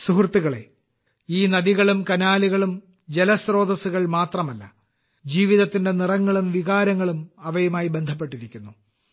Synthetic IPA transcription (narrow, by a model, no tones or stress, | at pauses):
suɦrt̪ːiɣɐɭe̞̰ | iːnɐðiɣɐɭumkɐnaːliɣɐɭum | d͡ʑelɐsro̞ːd̪ɐsuɣɐɭmaːt̪rɐmɐlːɐ̰ | d͡ʑiːʋiðɐt̪ːinde̞nirɐŋːɐɭumʋiɣaːɾɐŋːɐɭumɐʋɐjumaːjibe̞nd̪ʱɐp̬ːe̞ʈːiɾikʲːunːu